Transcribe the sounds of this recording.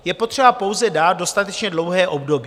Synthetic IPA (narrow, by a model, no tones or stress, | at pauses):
jɛpo̞t̪r̝̥ɛbapo̞wzɛdaːt̪̚do̞st̪at̪ɛt͡ʃɲɛdlo̞wɦɛːʔo̞bdo̞b